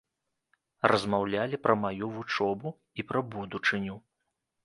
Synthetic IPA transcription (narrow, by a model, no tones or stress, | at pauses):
rʔɐzmawlʲalʲipɾɐmajuvut͡ʂɔbu | ipɾɐbud̪ut͡ʂɨnʲu